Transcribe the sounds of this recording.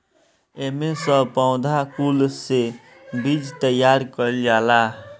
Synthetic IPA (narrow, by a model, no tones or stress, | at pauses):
emesəpaʊ̃d̪ʱakulse | bid͡ʒt̪əjaɾkəld͡ʒala